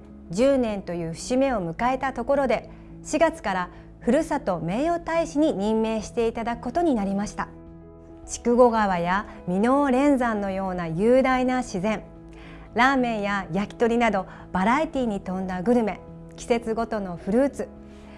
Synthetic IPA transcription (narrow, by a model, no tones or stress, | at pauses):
d͡ʑɨːnẽ̞nt̪o̞jɯ̟̥ːɕime̞o̞mɯ̟kae̞t̪at̪o̞ko̞ɾo̞d̪e̞ | ɕiɡat͡sɨ̥kaɾa | ɸɯ̟ɾɯ̟sat̪o̞me̞ːo̞t̪aiɕiɲ̟iɲ̟ĩmːe̞ːɕi̥t̪e̞it̪ad̪akɯ̟ko̞t̪o̞ɲ̟inaɾʲimaɕi̥t̪a | t͡ɕi̥kɯ̟ɡo̞ɡaβaja | mʲino̞ːɾẽ̞nd͡zãnːo̞jo̞ːnajɯːd̪ainaɕizẽ̞ŋ | ɾaːmẽ̞ɰjajakʲi̥t̪o̞ɾʲinad̪o̞ | b̥aɾait̪ʲiːɲ̟it̪õ̞nd̪aɡɯ̟ɾɯ̟me̞ | kʲi̥se̞t͡sɨɡo̞t̪o̞no̞ɸɯ̟ɾɯːt͡sɨ